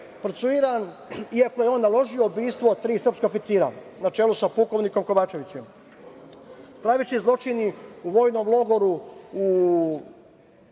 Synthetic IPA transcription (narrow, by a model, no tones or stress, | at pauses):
pɾot̪suiɾan | iako̞jeo̞ːnːalˠo̞ʒio̞obiːst̪ʋo̞t̪ɾiːsr̩pskoofit̪siːɾa̰ | nat͡ʃeːlusapuko̞ʋniko̞mko̞ʋaːt͡ʃe̞ʋit͡ɕem | st̪ɾaːʋit͡ɕizlˠo̞t͡ʃiniuʋo̞ːjno̞mlˠo̞ɡo̞ɾuu